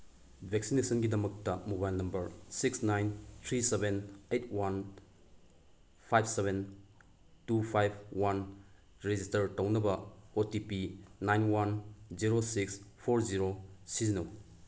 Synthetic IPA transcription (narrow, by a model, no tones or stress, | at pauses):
bʱek̚sinesʰɐnɡidɐmɐk̚tɐmobajlnɐmbɐɾsiksnajnt̪ʰɾisebenejt̚ʰwan | pʰajb̚ʰseβʱen | tupʰajbʰwan | ɾed͡ʒistɐɾtownɐbɐotipinajnwanziɾosikspʰoɾziɾosizinow